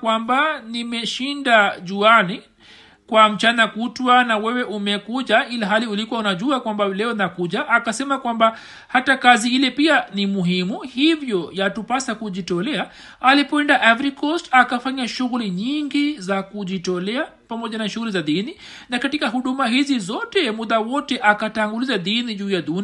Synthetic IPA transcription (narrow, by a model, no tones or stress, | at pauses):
kwambanimɛʃindaʄuani | kwam̩t͡ʃanakutwanawɛwɛʔumɛkuʄailaɦaliulikuwaunaʄuakwambalɛɔnakuʄaʔːkasɛmakwamba | hatakaziilɛpianimuɦimuhivjɔjatupasakuʄitɔlɛa | alipɔɛndaʔavɾikɔstakafaɲaʃuɣuliɲiŋɡizakuʄitɔlɛa | pamɔʄanaʃuɣulizaðini | nakatikaɦuɗumaɦizizɔtɛmuðawɔtɛʔakataŋɡulizaðiniʄuːjaɗun